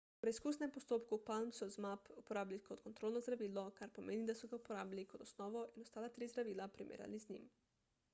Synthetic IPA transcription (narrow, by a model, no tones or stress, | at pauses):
upɾɛiskuːsnɛmpost̪oːpkupalmsɔzmapupoɾaːblʲikot̪kont̪ɾoːlnɔzd̪ɾaʋiːlɔkaɾpomeːnid̪asuɡaupoɾaːbjalikod̪osnɔːʋɔʔinɔst̪aːlat̪ɾiːzd̪ɾaʋiːlapɾimʔḛːɾja̰lizɲḭm